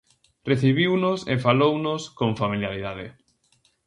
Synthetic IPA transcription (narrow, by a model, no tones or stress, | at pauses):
reθiβiwnʊsḛfalownʊskoŋfamiljaɾiðaðɪ